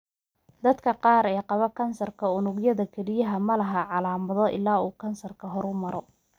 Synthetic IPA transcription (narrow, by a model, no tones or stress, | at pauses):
d̪ɐd̪kʰɐqɑːɾɛːqɑβɐkʰɐnsɐrkʰɐʊnʊɡjɐðɐkʰɛɾɪjɐɦɐmɐlɐɦɐʕɑlaːmɐðɔʔɪ̰laːuːkʰɐnsɐrkʰɐɦɔɾʊmɐɾɔ